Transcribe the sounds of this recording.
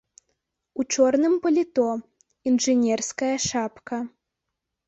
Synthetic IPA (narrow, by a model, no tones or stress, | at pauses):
ut͡ʂɔrnɨmpɐlʲit̪ɔ | inʐɨnʲɛrskɐjɐʂapkɐ